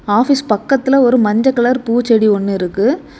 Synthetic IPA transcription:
aːfispɐkːɐt̪ːɪlɐɔɾɯmɐɲd͡ʒɐkːɐɭɐɾpuːt͡ʃːɛɽiɔnːɯɪɾɯkːɯ

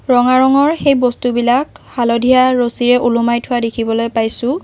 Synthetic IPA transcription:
ɹɔŋaɹɔŋɔɹxejbɔstubilakhalodʱijaɹosiɹɛʔulumajtʰʊwadekʰibɔlojpajsʊ̃

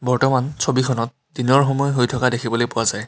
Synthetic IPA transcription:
bɔɹtɔmansobikʰɔnɔt̚ | dinɔɹɦɔmɔjɦojtʰɔkadekʰibɔlojpʊwazaj

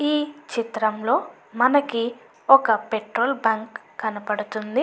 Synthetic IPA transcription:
iːt͡ʃit̪ɾɐmlo̞ː | mɐnɐki | ɔkɐpeʈɾoːlbaːŋkː | ɐnɐpɐɽut̪und̪i

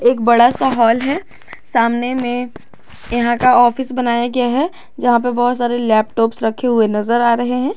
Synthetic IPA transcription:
eːk̚bɐɽasaɦɔːlɦɛː | saːmnemẽ | jɐɦãkaɔːfɪsbɐnaːjaɡjaɦɛ | d͡ʒɐɦãpɐɾbɔɦʊt̪saːɾelɛːp̚ʈɔːpsɾɐkʰːeɦʊenɐzəɾaːɾɐɦeɦɛ̃ː

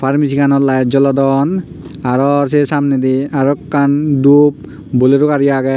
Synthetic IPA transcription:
pʰaɾmis̬ikʰanɔtlajzɔlɔdɔn | aɾɔs̬esamned̪iaɾɔkːandup̚ | boleɾukaɾijaɡɛ

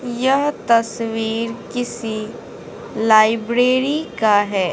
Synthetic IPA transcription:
jɐɦt̪ɐsʋiːɾkɪsi | laːɪbɾeːɾikaɦɛː

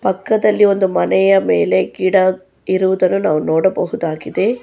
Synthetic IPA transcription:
pɐkːɐd̪ɐlːio̞nd̪umɐnɛjɐmeːle̞ɡiːɽɐ | iɾuʋud̪ɐnːunaːʋunɔːɽɐbɐɦud̪aːɡid̪e̞

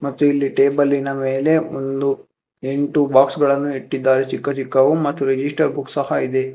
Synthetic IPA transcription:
mɐt̪ːuilːiʈeːbɐlːinɐme̞ːle̞o̰nd̪u | eɳʈubaːksɡɐɭɐnːuiʈːid̪ːaːɾet͡ʃikːɐt͡ʃikːɐʋumɐt̪ːuɾed͡ʒisʈɐɾbuksɐhɐid̪e̞

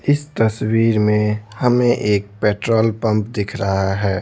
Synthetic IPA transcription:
ɪst̪əswiɾmẽhəmeʔeːk̚peʈɾoːlpə̃mpd̪ɪkʰɾəɦaɦɛː

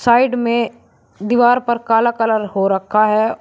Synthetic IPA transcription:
saːɪɖmẽ | d̪iʋaːɾpɐɾkaːlakɐləɾɦoɾɐkʰaɦɛ

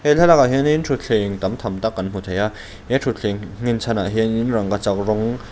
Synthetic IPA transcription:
hɛɬʰalaaɦjeninʈ͡ʂʰuɬʰeŋt̪amt̪ʰamt̪akːanm̥ut̪ʰaja | jɛʈ͡ʂʰuɬʰeŋŋːint͡sʰanaɦeninɾaŋkat͡sak̚ɾɔŋ

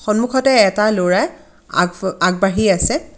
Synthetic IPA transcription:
xɔnmukʰɔtɛːtaloɹa | aɡ̚baɦiasɛ

